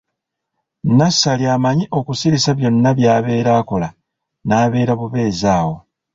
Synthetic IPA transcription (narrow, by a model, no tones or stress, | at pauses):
nasːaliaːmaɲiʔo̞kusiɾisaβjo̞nːaβjaːβe̞ːɾaːko̞la | naːβe̞ːɾaβuβe̞ːzaːwo̞